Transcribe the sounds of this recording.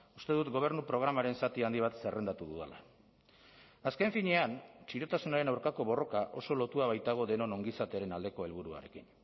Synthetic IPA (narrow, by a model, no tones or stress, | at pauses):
ust̪e̞ðut̪ɡo̞β̞e̞ɾnupɾo̞ɣ̞ɾamaɾe̞nsat̪iand̪iβ̞at̪se̞re̞nd̪at̪uðuðela | aske̞ɱfiɲe̞ant͡ʃiɾo̞t̪asunaɾe̞nawɾkako̞βo̞ro̞kaʔo̞̰so̞lo̞t̪uaβajt̪aɣ̞o̞ðe̞no̞no̞ŋɡisat̪e̞aɾe̞nald̪e̞ko̞e̞lβuɾua̰ɾe̞̰kin